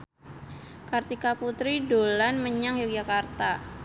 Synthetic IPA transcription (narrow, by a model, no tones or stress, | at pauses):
kart̪ikaput̪ɾidolanməɲaŋjuk̚d͡ʒakart̪a